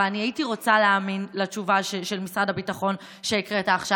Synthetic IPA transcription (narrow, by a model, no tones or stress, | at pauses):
aniaitiʁo̞t͡saleaːminlat͡ʃuvaʃeʃe̞lmisʁadabitaχo̞n | ʃeikʁetaːχʃa